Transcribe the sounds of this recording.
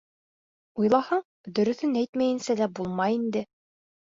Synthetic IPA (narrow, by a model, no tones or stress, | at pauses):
ujlˠɑhɤɴ | d̪ɵ̆ɾɵ̆θɵnæjt̪mæjɘ̆nsælæbulˠmɑjind̪ɘ